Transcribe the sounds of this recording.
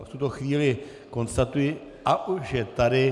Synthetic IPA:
ft̪ut̪o̞xviːlɪ | ko̞nst̪at̪ujɪ | ʔaʔuʒʒɛt̪adɪ

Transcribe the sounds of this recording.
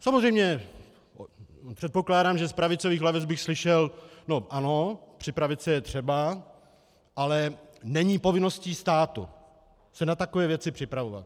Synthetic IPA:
samozrɛjmɲɛ | pr̥ɛt̪̚po̞klaːdaːmʒɛspɾavɪt͡soviːxlavɪt͡sbɪxslɪʃɛlno̞ʔano̞pr̝̥ɪpɾavɪt͡sɛjɛt̪r̝̥ɛba | ʔalɛnɛɲiːpo̞vɪno̞sciːst̪aːt̪ṵ | sɛnat̪akovɛːvjɛt͡sɪpr̥ɪpɾavova̰t̪̚

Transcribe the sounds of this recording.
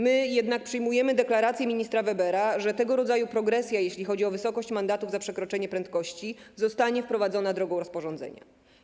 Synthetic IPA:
mɘjɛd̪nak̚pʂɘjmujɛmɘd̪ɛklaɾat̪sʲjɛmʲiɲist̪ɾavɛbɛɾaʐɛt̪ɛɡɔɾɔd̪zajupɾɔɡɾɛt̪sʲjajeɕlʲixɔd͡ʑiɔvɘsɔkɔɕt͡ɕmand̪at̪uvzapʂɛkɾɔt͡ʂɛɲɛpɾɛnt̪̚kɔɕt͡ɕizɔst̪aɲɛfpɾɔvad̪zɔnad̪ɾɔɡɔ̃w̃ɾɔspɔʐɔ̃nd̪zɛ̰ɲa̰

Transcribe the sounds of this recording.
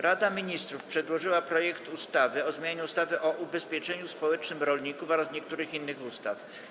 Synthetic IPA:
ɾad̪amʲiɲist̪ɾufpʂɛd̪wɔʐɘwapɾɔjɛkt̪ust̪avɘɔzmʲjaɲɛust̪avɘʔɔʔubɛspʲjɛt͡ʂɛɲuspɔwɛt͡ʂnɘmɾɔlɲikufɔɾasɲɛk̚t̪uɾɘxinːɘxust̪af

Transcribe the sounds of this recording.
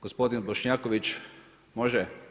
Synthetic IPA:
ɡ̥ospo̞d̪inboʃɲaːkoʋit͡ʃ | moʒɛ

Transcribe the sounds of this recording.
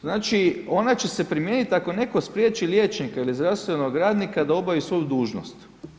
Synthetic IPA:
znaːt͡ʃio̞nat͡ɕe̞se̞pɾimjeːnit̪ako̞ne̞ko̞spɾje̞ːt͡ʃiljeːt͡ʃnikailizd̪ɾawst̪ʋe̞noɡɾaːd̪nikad̪ao̞baʋisʋo̞jud̪uːʒno̰st̪

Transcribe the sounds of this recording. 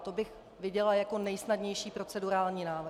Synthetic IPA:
t̪o̞bɪx | vɪɟɛlajako̞nɛjsnadɲɛjʃiːpɾo̞t͡sɛduɾaːlɲiːnaːvr

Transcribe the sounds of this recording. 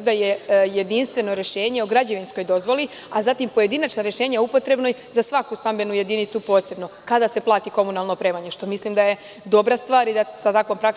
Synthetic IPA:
d̪ajejed̪inst̪ʋe̞no̞ɾe̞ʃe̞ːɲeoɡɾad͡ʑeʋinsko̞jd̪o̞zʋo̞li | azat̪impoje̞d̪inat͡ʃnaɾeʃe̞ːɲaupo̞t̪ɾe̞bnoj | zasʋakust̪ambe̞nuje̞d̪init̪supo̞ːse̞bno̞kad̪ase̞plˠaːt̪iko̞munalˠno̞pɾe̞maɲe̞ʃt̪o̞misliːmd̪aje̞ | d̪o̞bɾast̪ʋaːɾid̪asat̪akʋo̞mpɾak

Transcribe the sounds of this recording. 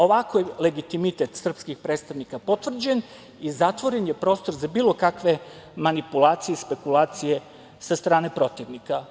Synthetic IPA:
o̞ʋako̞jele̞ɡit̪imit̪et̪sr̩pskixpɾeːt̪st̪aʋnikapo̞t̪ʋr̩d͡ʑen | izat̪ʋo̞ɾenje̞pɾo̞ːst̪o̞ɾzabiːlˠo̞kakʋe̞manipulˠaːt̪sijespe̞kulaːt̪sije̞ | sast̪ɾaːne̞pɾo̞t̪iʋnika

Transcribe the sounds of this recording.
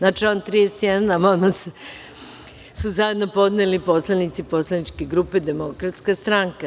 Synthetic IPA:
nat͡ʃaont̪ɾijesjɛd̪anamamase | suzaje̞d̪no̞po̞d̪nelipo̞slˠanit̪siposlˠanit͡ʃkeɡɾupe̞d̪e̞mo̞kɾat̪skast̪ɾaŋka

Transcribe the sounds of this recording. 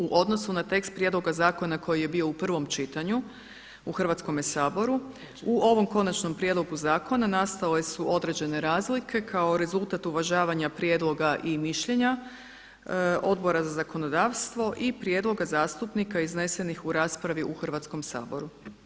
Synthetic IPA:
uʔo̞d̪no̞sunat̪e̞kst̪̚pɾʲje̞d̪lo̞ɡazaːko̞nako̞jije̞bio̞upr̩ʋo̞mt͡ʃit̪aɲu | uxr̩ʋat̪sko̞mjesaːbo̞ɾu | uʔo̞ʋo̞mko̞nat͡ʃno̞mpɾje̞d̪lˠo̞ɡuzaːko̞nanast̪ale̞suʔo̞d̪ɾe̞d͡ʑe̞ne̞ɾaːzlikʰe̞kʰao̞ɾe̞zulˠt̪at̪uʋaʒaːʋaɲapɾʲje̞ːd̪lˠo̞ɡaʔimiʃʎe̞ɲa | o̞d̪bo̞ɾazazako̞no̞d̪aʋst̪ʋo̞ʔipɾje̞ːd̪lˠo̞ɡazaːst̪upnikaizne̞se̞nixuɾaːspɾaʋiʔuxr̩ʋat̪sko̞msa̰ːbo̞̰ɾu

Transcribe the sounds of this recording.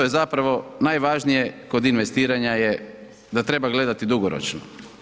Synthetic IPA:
ojezapɾaʋo̞najʋaʒnije̞ko̞d̪inʋe̞st̪iːɾaɲaje | d̪at̪ɾe̞baɡle̞d̪at̪id̪uɡoɾo̰t͡ʃno̰

